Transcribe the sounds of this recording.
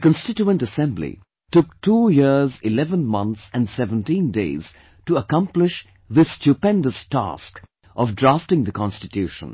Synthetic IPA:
əkə̃nstɪt͡ʃuə̃ntəsɛ̃mblḭ | tʊk̚tʰujɪɹzɪlɛvə̃nmʌ̃nt̪sæ̃nsɛvə̃ntĩndeɪz̥ | tuəkʌ̃mplɪʃ | ðɪstupɛ̃ndəstæ̰sk | ʔɔvdɹaftɪ̃ŋðəkʰɑ̃nstɨtjuʃə̰̃n

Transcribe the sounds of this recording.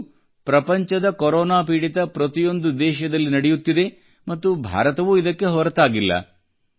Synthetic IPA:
pɾɐpɐɲt͡ʃɐd̪ɐkɔɾɔːnaːpiːɽit̪ɐpɾɐt̪ijo̞nd̪ud̪ɛːʃɐd̪ɐlːinɐɽejut̪ːid̪e̞ | mɐt̪ːubʱa̰ːɾɐt̪ɐʋuid̪ɐkːe̞ɦɔɾɐt̪aːɡilːɐ̰

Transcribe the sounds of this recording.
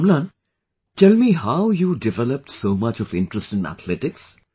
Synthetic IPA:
mlãn | ʈɛlmiɦaʊjuːɖɪʋɛləp̚ʈsoːmʌt͡ʃɔvɪ̃nʈɾəsʈɪ̃næ̰t̪ʰlɪʈɪks

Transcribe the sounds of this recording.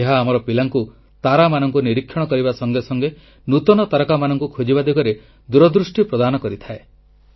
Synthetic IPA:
eɦaːmɔɾɔpilaŋku | t̪aɾamanɔŋkuniɾikʰːjɔɽ̃ɔkɔɾibasɔŋɡesɔŋɡe | nut̪ɔnɔt̪aɾɔkamanɔŋkukʰod͡ʒibad̪eɡɔɾe | d̪uɾɔd̪ɾusʈipɾɔd̪anɔkɔɾit̪ʰae

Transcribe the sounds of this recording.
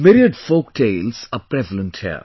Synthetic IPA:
mɪɾiəɖfoːk̚ʈʰeɪlsapɾɛʋələ̃nthḭə̰

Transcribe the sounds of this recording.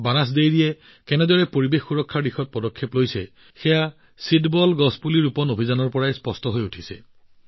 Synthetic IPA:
banas̬dejɹijɛ | kɛnɛdɔɹɛpoɹibexːuɹɔkʰːaɹdixɔt̚pɔdɔkʰːeplojsɛ̰ | xɛja | sitbɔlɡɔspuliɹupɔnobʱizanɔɹpɔɹajspɔstɔɦojutʰisɛ̰

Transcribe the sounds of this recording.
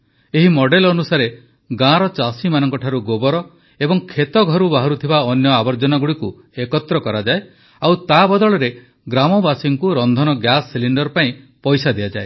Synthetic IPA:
eɦimɔɽɖelɔnusaɾe | ɡãɾɔt͡ʃasimanɔŋkɔʈʰaɾuɡobɔɾɔ | ebɔŋkʰet̪ɔɡʱɔɾubaɦɔɾut̪ʰibaɔnjɔabɔɾd͡ʒɔnaɡuɽiku | ekɔt̪ɾɔkɔɾad͡ʒae | awt̪abɔd̪ɔɭɔɾe | ɡɾamɔbasiŋkuɾɔnd̪ʱɔnɔɡjasːiliɳɖɔɾpaĩpɔjsad̪iad͡ʒae

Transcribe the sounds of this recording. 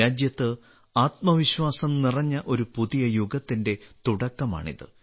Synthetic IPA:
aːd͡ʑjɐt̪ːɨ | aːt̪̚mɐʋiɕwaːsɐmnirɐɲːɐʔo̞ɾupuðijɐjuɡɐt̪ːinde̞t̪uɽɐkːɐma̰ːɳḭðɨ̰

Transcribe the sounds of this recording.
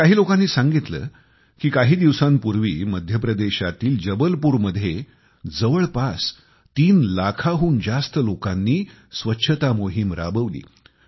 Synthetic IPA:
kaɦiːlokãnːiːsãŋɡit̪lə̰ː | kiːkaɦiːd̪iʋsanpuɾʋiːməd̪ʱjəp̬ɾəd̪eɕat̪iːld͡ʑəbəlpuːɾməd̪ʱːje | d͡zəʋəɭpas | t̪iːnlakʰaɦuːnd͡zast̪əlokanːiː | sʋətːɕʰət̪amoɦimɾa̰bəʋlḭː

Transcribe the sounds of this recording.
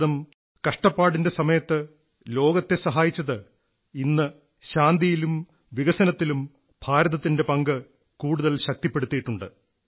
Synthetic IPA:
ðɐm | kɐʂʈɐpːaːɽinde̞sɐmɐjɐt̪ːɨ | lo̞ːɡɐt̪ːe̞sɐɦaːjit͡ɕːɐðɨ | inːɨ | ɕaːnd̪ijilum | ʋiɣɐsɐnɐt̪ːilum | bʱaːɾɐðɐt̪ːinde̞pɐŋɡɨ | kuːɽuðɐlɕɐk̚t̪ipːe̞ɽut̪ːiːʈːuɳɖɨ̰

